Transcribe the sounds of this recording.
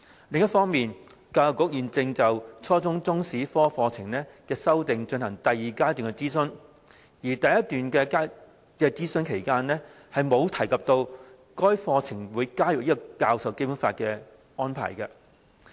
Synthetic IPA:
lɪ˨ŋjɐ˥t̚fɔː˥ŋmiː˨n | kaː˧kʊ˨˥k̚jyː˨nt͡sɪ˧ŋt͡sɐ˨wt͡sʰɔː˥t͡sʊ˥ŋt͡sʊ˥ŋsiː˨˥fɔː˥fɔː˧t͡sʰɪ˨˩ŋnɛː˥kɛː˧sɐ˥wt̪ɪ˨ŋt͡ʃɵ˧nhɐ˨˩ŋt̪ɐ˨jiː˨kaː˥t̪yː˨nŋkɛ˧t͡siː˥sɵ˧n | jiː˨˩t̪ɐ˨jɐ˦˥t̪yː˨nkɛː˧kaː˥ | kɛː˧t͡siː˥sɵ˥nkʰe˨˩jkaː˥nlɛː˥ | hɐ˨jmo˨˧wt̪ʰɐ˨˩jkɐ˨p̚t̪o˧w | kɔː˥jfɔː˧t͡sʰɪ˨˩ŋwuː˨˧jkaː˥jʊ˨k̚jiː˥kɔ˧kaː˧wsɐ˨wke˥jpu˨˧˥nfaː˧t̚kɛ˧ | ɔː˥npʰa̰ː˨˩jkɐ˧

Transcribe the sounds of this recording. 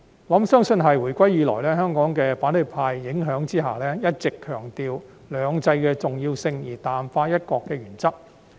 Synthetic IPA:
lɐ˨˥msœː˥ŋsɵ˧nɦɐ˨jwuː˨˩jkʷɐ˥jiː˨˧lɔː˨˩jlɛː˥ɦœː˥ŋkɔː˨˥ŋkɛː˧faː˨˥nhɵ˨˧˩pʰaː˧jːɪ˨˥ŋɦœː˨˥ŋt͡siː˥ɦa̰ː˨lɛː˥jɐ˥t̚t͡sɪ˨kʰːœː˨˩ŋt̪iː˨˧w | lœː˨˧ŋt͡sɐ˧jkɛː˧t͡sʊ˨ŋjiː˧wsɪ˧ŋjiː˨˩t̪aː˨˩mfaː˧jɐ˥t̚kɔː˧kːɛː˧jyː˨˩nt͡sɐ˥k̚

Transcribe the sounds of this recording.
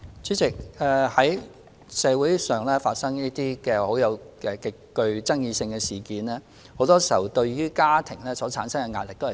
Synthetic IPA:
t͡syː˨˥t͡sɪ˨k̚ɛː˨hɐ˨˥j | sɛː˨˧wuː˨˥jsœː˨ŋlɛː˥faː˧t̚sɐ˥ŋjiː˥t̪iː˥kɛː˧ho˨˥wjɐ˨˧wɛ˧kɪ˨kːɵ˧ɥt͡sɐ˥ŋjiː˧sɪ˧ŋkɛː˧siː˨˩kiː˨˦nlɛː˥ | ho˨˥wt̪ɔː˥siː˨˩hɐ˨wt̪ɵ˧ɥɥyː˥kaː˥t̪ʰɪ˨˩ŋlɛː˥sɔː˨˥t͡sʰaː˨˥nsɐ˥ŋkɛ˧ŋa̰ː˧t̚lɪ˨k̚t̪o˥h

